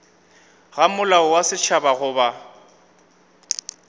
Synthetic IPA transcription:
ɣamʊlaʊwasɪt͡ʃʰabaɣʊːba

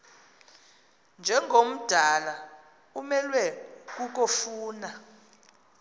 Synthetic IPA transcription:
nd͡ʒʱɛŋɡʱom̩d̥ʱala | umɛlwɛk̬uk̬ofuːna

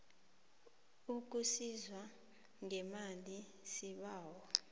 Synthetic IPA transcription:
uk̬ʼusizwa | ŋɛmali | siɓaːwɔ

